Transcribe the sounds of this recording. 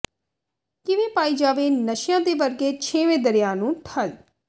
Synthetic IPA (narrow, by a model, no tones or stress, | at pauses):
kɪʋẽːpaːiːd͡ʒaːʋeːnəʃjãːd̪eːʋəɾɡeːt͡ʃʰeːʋẽːd̪əɾɪjãːnũːʈʰəl